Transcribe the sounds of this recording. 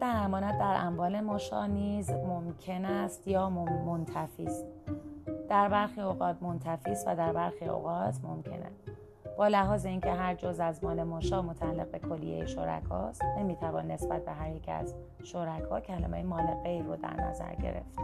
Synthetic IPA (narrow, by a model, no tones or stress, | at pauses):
d̪̥æɾæmɒːnæd̪̚d̪æɾʔæmvɒːle̞moʃɒ̰ːniːzmomcʰe̞næst̪jɒːmmont̪ʰæfiːst̪ | d̪̥æɾbæɾxiːoɣɒːt̪mo̞nt̪ʰæfiːst̪væ̰d̪æɾbæɾxiːo̰ɣɒːt̪ʰmo̞mcʰe̞̰næ̰ | b̥ɒːlæɦɒːzeiːncʰe̞ɦæɾd͡ʒozæzmɒːle̞moːʃɒːmo̞t̪ʰæælːḛɣ̚be̞kʰo̞lːḭje̞̰jeʃo̞̰ɾæ̰kʰɒ̰ːst̪ne̞miːt̪ʰævɒ̰ːnːe̞sb̥æt̪̚be̞ɦæɾjecʰiæ̰z | ʃoɾækʰɒːcʰælḛmḛjemɒːle̞ɣejɾod̪æ̰ɾnæ̰zæ̰ɾɟḛɾe̞̰ft̪